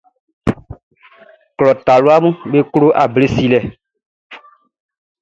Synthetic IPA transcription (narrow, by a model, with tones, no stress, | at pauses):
klɔ˨ta˨lo˦a˦mũ˦ɓe˦klo˦ʔa̰˨ble˦si˦lɛ˨